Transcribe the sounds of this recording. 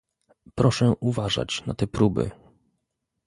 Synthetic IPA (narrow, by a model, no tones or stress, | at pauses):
pɾɔʂɛʔuvaʐa̰t͡ɕnat̪ɛpɾubɘ̰